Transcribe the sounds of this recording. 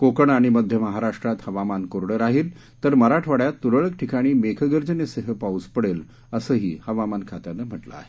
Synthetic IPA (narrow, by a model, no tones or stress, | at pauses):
kokəɳaɽ̃iməd̪ʱjəməɦaɾaʂʈɾat̪həʋamankoɾɽəɾaɦiːl | t̪əɾməɾaʈʰʋaɽjat̪ːuɾəɭəkʈʰikaɽ̃iːmekʰəɡəɾd͡ʑənesəɦəpauːspəɽel | əsəːɦḭːhəʋamankʰat̪janːəm̤əʈlə̰a̰ɦe